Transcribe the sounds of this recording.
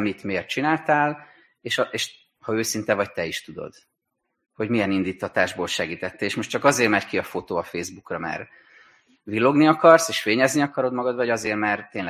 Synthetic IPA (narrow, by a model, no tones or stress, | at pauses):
mit̪meːrt̪̚t͡ʃinaːlt̪aːl | eːʃɒeːʃ | hɒøːsint̪ɛvɒc̚t̪ɛiʃt̪ud̪o̞̰d̪̥ | ho̞ɟmijɛnind̪iːt̪ʰːɒt̪aːʒboːlʃɛɡiːt̪ɛt̪ːɛeːʃmo̞ʃtt͡ʃɒkɒzeːrmɛrkiɒfo̞t̪oːɒfeːzbukrɒmɛ̰r | vilːo̞ɡniɒkɒrseːʃfeːɲɛzniɒkɒɾo̞d̪mɒɡɒd̪vɒɟɒzeːrmɛrt̪eːnl